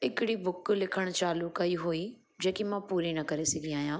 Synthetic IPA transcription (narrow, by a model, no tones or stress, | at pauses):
ɦɪkɪɽibʊklɪkʰəɽ̃t͡ʃaːlʊkɐiɦui | d͡ʑẽːkimãːpuːɾinɐkɐɾesɐɡiaːɦjãː